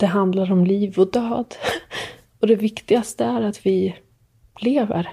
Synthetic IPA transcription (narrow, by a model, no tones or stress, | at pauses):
d̪̥ɛɦand̪laɾɔmliːvɔd̪øːd̪ | ɔd̪ɛvɪkt̪ɪɡast̪əæɾat̪vɪ | leːvə̰ɾ